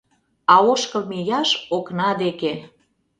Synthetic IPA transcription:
ɑoʃkɤ̆lmejɑʃoknɑd̪eke

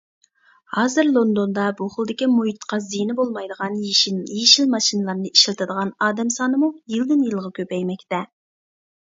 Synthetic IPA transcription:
hɑːzɨɾlˠond̪ond̪ɑbuχəlˠd̪ɪkʲimujit̪qʰɑzijnɪbolˠmɑjd̪əʁɑnjiʃjiʃilmɑʃinɨlˠɑɾnɨiʃilˠt̪ʰɨd̪əʁɑnɑːd̪ɛmsɑnɨmujɨlˠd̪ɪnjɨlˠʁɑkʲøpɛjmɛkʲt̪ɛ

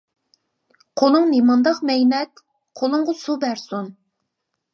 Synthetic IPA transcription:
qʰolˠɨŋnemɑnd̪ɑqmɛjnɛt̪ | qʰolˠʊŋʁʊsubæɾsun

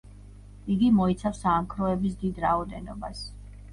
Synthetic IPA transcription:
iɡimɔit̪sʰafsaːmkʰɾɔɛbis̬d̪id̪ɾaɔd̪ɛnɔ̰bas

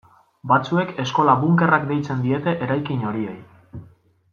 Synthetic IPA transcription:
bat͡sue̞ke̞sko̞laβuŋke̞rakd̪e̞jt͡se̞nd̪ie̞t̪e̞ʔeɾajkiɲo̞ɾie̞̰j

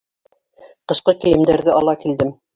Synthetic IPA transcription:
qɤ̆ʃqɤkɘ̆jɘ̆md̪æɾðɘʔɑlˠɑkild̪ɘm

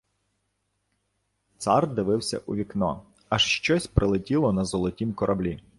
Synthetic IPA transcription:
t̪sɑrd̪ɪʋɪwsʲɐ̰ʔuʋʲiknɔ̰ | ɐʃʃt͡ʃɔsʲpɾɪlˠɪtʲilˠɔnɐzɔlˠɔtʲimkɔɾʔɐblʲi

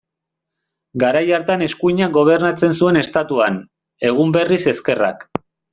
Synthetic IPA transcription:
ɡaɾajaɾt̪ane̞skuɲaɡo̞β̞e̞ɾnat͡se̞nsue̞ne̞st̪at̪uan | e̞ɣ̞umbe̞rise̞ske̞ra̰k

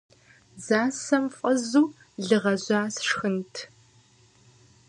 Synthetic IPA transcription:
zaːsɐmfʼɐzuː | ɮɨʁɐʑʷaːsʂxɨntʰ

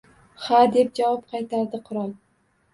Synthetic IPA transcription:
had̪e̞p̚d͡ʒavɒp̚qʰɑjt̪ʰaɾd̪ɪqʰʊɾɒlˠ

